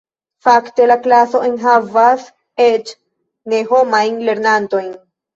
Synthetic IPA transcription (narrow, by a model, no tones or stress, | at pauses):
fakte̞laklaso̞ʔenɦavas | et͡ʃ | ne̞ɦo̞majnle̞ɾnanto̞jn